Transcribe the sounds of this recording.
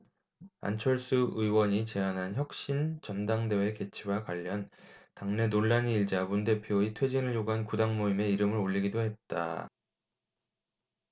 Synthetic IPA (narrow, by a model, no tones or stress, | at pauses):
a̰nt͡ɕʰʌɭs͈uɯiwʌɲit͡ɕe̞anɦançjʌk̚ɕ͈int͡ɕʌndaŋde̞we̞ke̞t͡ɕʰiwakwaʎːʌntaŋne̞noɭːaniːɭd͡ʑamunde̞pʰjoitʰwe̞d͡ʑinɯɭjoɡuɦankudaŋmoime̞iɾɯmɯɾoʎːiɡidoɦe̞t̚t͈a̰